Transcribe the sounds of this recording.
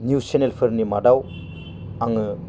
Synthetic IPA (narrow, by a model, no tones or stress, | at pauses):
njuwsenelpʰɯɾnimadaw | aŋɯ